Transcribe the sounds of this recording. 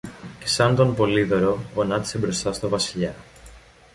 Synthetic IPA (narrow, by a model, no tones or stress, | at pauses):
ce̞̥sɐnd̪o̞npo̞liðo̞ɾo̞onɐt̪ise̞bɾo̞st̪ɐst̪o̞vɐsiʎɐ